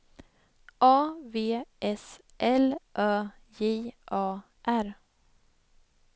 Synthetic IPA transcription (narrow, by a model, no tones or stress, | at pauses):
ʔɑːveːʔɛs | ʔɛlʔœː | jeːʔɑː | ʔæɾ